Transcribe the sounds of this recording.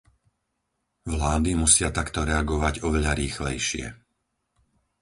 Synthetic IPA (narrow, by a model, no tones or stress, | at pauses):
ʋlaːd̪imusɪat̪akt̪ɔɾɛaɡɔʋaɟɔʋɛʎaɾiːxlɛjʃɪɛ̰